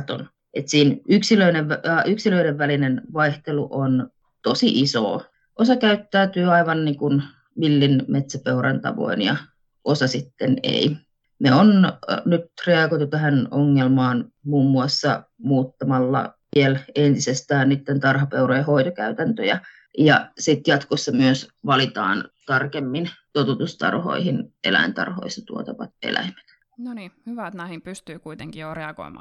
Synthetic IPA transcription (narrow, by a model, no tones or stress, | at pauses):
t̪o̰n | et̪siːnyksiløineʋʋɑʔyksiløiɾeʋʋælinenʋɑiht̪eluʔon | t̪osiʔiso̰ː | ʔosɑkæyt̪ːæːt̪yːɑiʋɑnniːŋkun | ʋilːinmet̪sæpeurɑ̰nt̪ɑ̰ʋo̰injɑ̰ | ʔosɑsit̪ːenḛi | neonnyt̪reɑkoit̪ut̪æhænoŋːelmɑːnmuːmːuɑsːɑmuːt̪ːɑmɑlːɑ̰ʋielent̪isest̪æːnnit̪ːent̪ɑrhɑpeurojɑhoit̪okæyt̪ænt̪øjæ | jɑsit̪jɑt̪kosːɑmyøsʋɑlit̪ɑ̰ːnt̪ɑrkemːint̪ot̪ut̪ust̪ɑ̰rho̰ihinʔḛlæ̰int̪ɑ̰rho̰isɑt̪uot̪ɑʋɑ̰t̪ḛlʔæ̰ime̥t̪ | nonihyʋæt̪nɑhimpyst̪yːkuit̪eŋkijoreɑko̰imɑ̰ː